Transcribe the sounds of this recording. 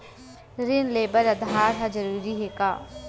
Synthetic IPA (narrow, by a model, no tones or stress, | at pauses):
ɾɪnleːbəɾɐd̪ɦaːɾɦad͡ʒəɾuːɾiɦeːkaː